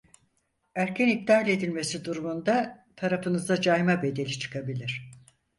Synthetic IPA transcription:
æɾcʰɛnik̚t̪aːlʲe̞d̪ilʲmesid̪uɾumund̪at̪ʰaɾafɯnɯzd̪ad͡ʒajmabe̞d̪e̞lʲit͡ʃʰɯ̥kʰabilʲiɾ̝̥

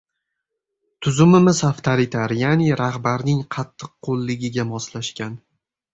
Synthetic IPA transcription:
t̪ʰʊzʊmɪmɪzaft̪ʰaɾɪt̪ʰaɾjanɪɾahbaɾnɪŋqʰɑt̪ʰːɨqːʰolˠːɪɡʲɪɡʲamɒslaʃkʲan

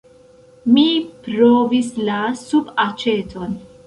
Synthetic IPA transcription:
mipɾovislasubat͡ʃetʰon

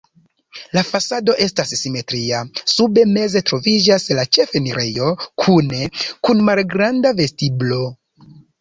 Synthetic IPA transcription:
lafasado̞ʔe̞stasːime̞tɾiasube̞me̞ze̞tɾo̞vid͡ʒaslat͡ʃe̞feniɾe̞jo̞kʰune̞kunmalɡɾandave̞stiblo̞

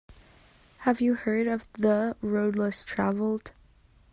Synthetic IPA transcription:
hɨvjɨhɜ˞ɾʌvðəɹoʊdˡlɪstʰɹ̥ævl̩ˠd̥

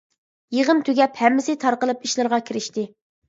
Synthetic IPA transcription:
jeʁəmt̪ʰøɡʲɛphɛmːɪsɪt̪ʰɑɾqəlˠɨpiʃlˠɨɾʁɑkʲʰiɾɪʃt̪ɪ

